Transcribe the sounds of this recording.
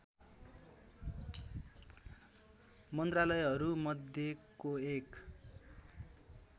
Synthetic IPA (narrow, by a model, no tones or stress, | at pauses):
mʌnt̪ralʌjɦʌɾumʌd̪ʱjekoek